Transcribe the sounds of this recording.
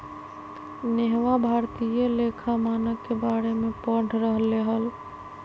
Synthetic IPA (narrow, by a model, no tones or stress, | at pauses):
neɦʋabʱaɾt̪ijəlekʰamanəkːebaɾemepəɽ̤ʱɾəɦlːeɦəl